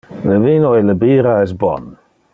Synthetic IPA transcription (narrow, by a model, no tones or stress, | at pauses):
ləviːnɔjləbiːɾaɛs̬bɔ̰n